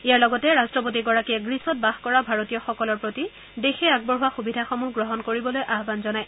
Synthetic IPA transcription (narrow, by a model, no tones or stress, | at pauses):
ijaɹlɔɡɔtɛɹastɹɔp̬ot̬iɡɔɹakiɛɡɹisɔt̚baxkɔɹabʱaɹotijɔxɔkɔlɔɹpɹoti | dexɛaɡ̚bɔɹɦʊwaxubidʱaxomuɦɡɹɔɦɔnkoɹibɔlojʔaɦbanzɔnaj